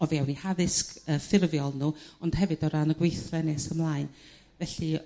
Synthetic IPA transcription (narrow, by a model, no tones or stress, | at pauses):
ɔviawnihaðɪskəfɪrvjɔlˠnuːɔnd̥hɛvɨdɔɾanəɡwejθlɛnɛsəmlˠaːɨn | vɛɬɨ